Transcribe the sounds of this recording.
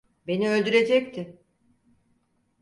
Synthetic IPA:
be̞niø̞lʲd̪yɾe̞d͡ʒɛc̚t̪ʰɪ

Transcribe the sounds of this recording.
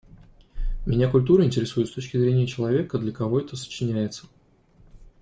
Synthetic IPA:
mʲɪnʲakʊlʲt̪uɾəɪnʲtʲɪɾʲɪsujɪt̪st̪ot͡ɕkʲɪzɾʲenʲɪjət͡ɕɪlˠɐvʲe̞kəd̪lʲəkɐvo̞ɛt̪əsə̥t͡ɕɪnʲæjɪt̪sə̥

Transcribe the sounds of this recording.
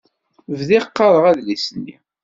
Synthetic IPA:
vðiqːɑɾˤəʁæðlisənːḭ

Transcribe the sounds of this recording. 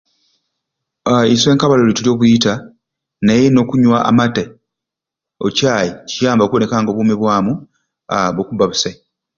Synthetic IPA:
aiswe̞ːŋkaβalolitulio̞ːβujita | najeno̞ːkuɲwaʔa̰mate | ocaːjicijaːmbaokuβone̞kaːŋɡo̞βuːmeβwaːmu | aβokubaβuse

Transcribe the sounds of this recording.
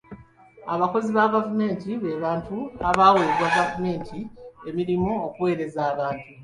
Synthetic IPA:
aβako̞ziβaɡavume̞ːntiβe̞βaːntuaβaweːɾwaɡavume̞ːntʰie̞miɾimuokuwe̞ːɾe̞zaːβaːntu

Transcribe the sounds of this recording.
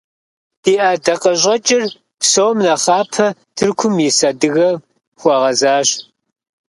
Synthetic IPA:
d̥iːʔadɐqɐɕ̬ʼɐt͡ʃʼɪr | psowmnɐχɑːpʰɐ | tʰɨrkʷʰʊmjɪsɐdɨɣɐ | xʷɔʁɐzaːɕ

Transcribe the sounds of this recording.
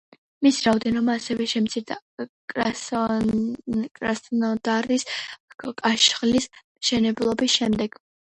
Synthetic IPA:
misɾaɔd̪ɛnɔbaːsɛvɛʃɛmt̪sʰiɾd̪a | kʼɾasnɔd̪aɾis | kʼaʃχlismʃɛnɛblˠɔbisʃɛmd̪ɛɡ̥

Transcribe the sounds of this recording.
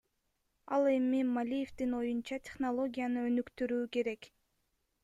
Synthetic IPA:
ɑlˠe̞mimalʲije̞ft̪ino̞junt͡ʃɑt̪ʲe̞χnolˠo̞ɡʲijanɯønykt̪yɾyːke̞ɾe̞k

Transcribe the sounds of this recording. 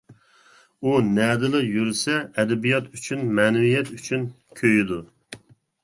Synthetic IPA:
unɛd̪ɨlˠɨjyɾsɛːd̪ɛbijɑt̪ʰyt͡ʃʰynmɛːnɛwijɛt̪yt͡ʃʰyn | kʲʰøjid̪u

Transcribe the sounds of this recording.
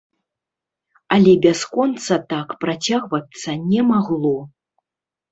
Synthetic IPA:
ɐlʲɛbʲaskɔnt̪sɐt̪akpɾat͡sʲaɣvɐt̪sɐnʲɛmaɣlˠɔ

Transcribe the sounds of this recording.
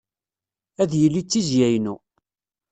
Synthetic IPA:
æðjəlːit͡sːizjæjnu

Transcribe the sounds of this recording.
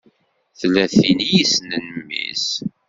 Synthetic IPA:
θlæθinijisnənəmːḭs

